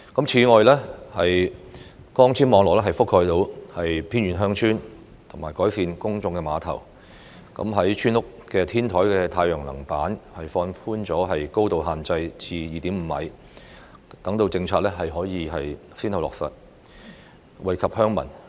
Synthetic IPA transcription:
kɐ˨˥mt͡sʰiː˨˥ŋɔː˨˧jlɛː˥hɐ˨j | kɔː˥ŋt͡sʰiː˥nmɔː˨˧ŋlɔː˨˩lɛː˥ɦɐ˨jfʊ˥kʰːɔː˧jt̪o˧whɐ˨jpʰiː˥nɥyː˨˧nɦœː˥ŋt͡ʃʰyː˥n | t̪ʰʊ˨˩maː˨˩jkɔː˨˥jsiː˨nkʊ˥ŋt͡sʊ˧ŋkɛ˧maː˨˧t̪ʰɐ̰˨˩w | kɐ̰˨˧˥mɦɐ˨˥jt͡ʃʰyː˥nlʊ˥k̚kɛː˧t̪ʰiː˥nt̪ʰɔː˨˥jkɛː˧t̪ʰaː˧jjœː˨˩ŋlɐ̰˨˩ŋpaː˨˥nhɐ˨jfɔː˧nfuː˥nt͡sɔː˨˥ɦɐ˨jko˥wt̪o˨wɦaː˨nt͡sɐ˧jt͡sʰiː˧jiː˨t̪iː˨˥m̩ː˨˧mɐ̰˨˥j | t̪ɐ˨˥ŋt̪o˧wt͡sɪ˧ŋt͡sʰaː˧t̚lɛ˥ɦɐ˨jɦɔː˨˥jiː˨˧ɦɐ˨j | siː˥nhɐ˨wlɔː˨k̚sɐ̰˨t̚ | wɐ˨˧jkʰɐ˨p̚hœː˥ŋmɐ̰˨˩n

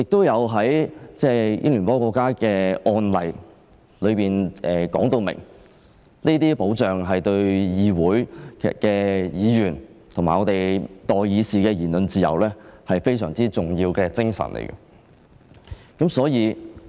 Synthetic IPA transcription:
jɪ˨k̚t̪o˥wjɐ˨˧wɦɐ˨˥jt͡sɛː˥˩jɪ̰˥ŋlyː˨˩npɔː˥kʷɔː˧kːaː˥kɛː˧ɔː˧nlɐ˨j | lɵ˨˧ɥpiː˨nɛː˨kɔ̰ː˨˥ŋt̪o˧wmɪ̰˨˩ŋ | niː˥t̪iː˥po˨˥wt͡sœː˨ŋɦɐ˨jt̪ɵ˧ɥjiː˨˧wuː˨˥jʰkɛː˧jiː˨˧jyː˨˩nt̪ʰʊ˨˩ŋmaː˨jɔː˨˧t̪e˨jt̪ɔː˨jjiː˨˧siː˨˩kɛː˧jiː˨˩nlɵ˨nt͡siː˨˧jɐ̰˨˩wlɛː˥hɐ˨jfe˥jsœː˨˩ŋt͡siː˥t͡sʊ˨ŋjiː˧wkɛː˧t͡sɪ˥ŋsɐ̰˨˩nlʔḛ˨˩jkɐ̰˧ | kɐ˨˥msɔː˨˥jiː˨˧

